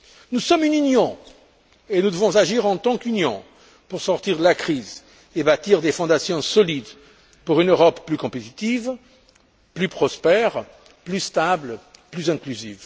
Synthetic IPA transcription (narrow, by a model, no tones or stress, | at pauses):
nusɔmynynjɔ̃ | enud̪əvɔ̃zaʒiʁɑ̃t̪ɑ̃kynjɔ̃ | puʁsɔʁt̪iʁd̪əlakχiz | ebat̪iʁd̪efɔ̃d̪asjɔ̃sɔlid̪ | puʁynøʁɔpːlykɔ̃pet̪it̪iv | plypχɔspɛʁ | plyst̪ablplyzɛ̃klyzḭv